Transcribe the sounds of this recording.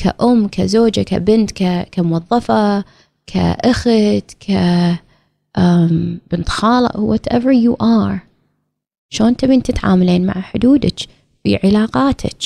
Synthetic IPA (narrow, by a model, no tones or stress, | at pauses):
kʰa̰ʔʊmːkʰazoːd͡ʒaka̰bɪnt̪kakamʊwɑðˤːɑfɑ | kʰa̰ʔaxt̪kʰa | ʔb̥ɪnt̪xɑːlɨ̰ʔwɔt̪ʔɛvəɾjuːʔɑːɾ | ʃoːnt̪abiːnt̪ɪt̪ʕa̰ːmaliːnma̰ʕaħʊd̪uːd̪a̰t͡ʃ | b̥ḭʕɪlaːqɑːt̪ʰa̰t͡ʃ